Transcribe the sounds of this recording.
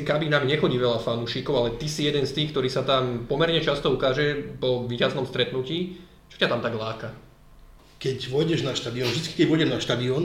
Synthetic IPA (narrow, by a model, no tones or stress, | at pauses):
kabiːnaːmiɲɛxɔɟiːʋɛʎafanuʃiːkɔʊalɛt̪isijɛd̪ɛnst̪iːxkt̪ɔɾiːsat̪ampɔmɛɾɲɛt͡ʃast̪ɔukaːʒɛpɔʋiːcaznɔmst̪ɾɛt̪nuciː | t͡ʃɔ̥cat̪amt̪aɡlaːka | kɛcʋʊɔjɟɛʒnaʃt̪ad̪iɔnvʒd̪i̥ski̥kɛɟvɔjɟɛʒnaʃt̪ad̪iɔːn